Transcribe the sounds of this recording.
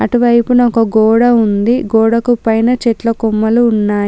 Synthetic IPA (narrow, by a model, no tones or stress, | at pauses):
ɐʈuʋɐjpunɔkɐɡɔːɽɐund̪iɡɔːɽɐkupɐjnɐt͡ʃɛʈlɐkumːɐluːnːaː